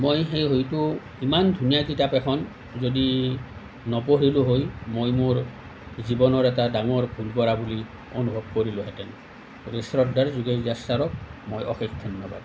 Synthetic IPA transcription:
mojxejɦojtʊ | imandʱunijak̬itapɛkʰɔn | zodi | nɔpoɹilʊɦojmojmoɹ | zibɔnɔɹɛtadaŋɔɹbʱulkɔɹabuli | onubʱɔb̚koɹilʊɦɛtɛn | ɾesɹɔdaɹzuɡezasaɹɔk̚mojɔ̰xikdʱɔnːjɔba̰d

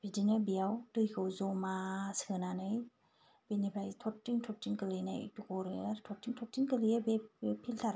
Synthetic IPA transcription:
b̥idinɯbijawdɯjkʰɯwzɔmasɯɯnanɯj | b̥enipʰajtʰɔtːiŋtʰɔtːiŋkɯlɯjna̰j̰tukɔɾɯaɾtʰɔtːiŋtʰɔtːiŋkɯlijebepʰiltʰaɾa

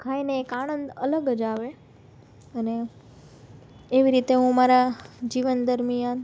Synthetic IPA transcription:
kʰajneːkanənd̪ə̰ləɡəd͡ʒaʋe | əne | ʋiɾit̪eɦũmaɾad͡ʒiʋənd̪əɾmijan

